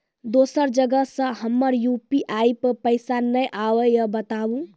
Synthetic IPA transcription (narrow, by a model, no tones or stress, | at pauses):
d̪osəɾd͡ʒəɡəsə̃ɦəmːəɾjupiʔajppəɪsanəjʔawəjəbət̪abũ